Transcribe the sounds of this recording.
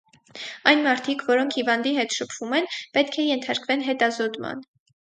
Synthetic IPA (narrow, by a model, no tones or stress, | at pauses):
ɑjnmɑɾt̪ʰikvɔɾɔŋkʰhivɑnd̪iɦɛt̪ʃəpʰv̥umɛnpɛt̪̚kʰɛjɛnt̪ʰɑɾkvɛnɦɛt̪ɑzɔt̪mɑ̰n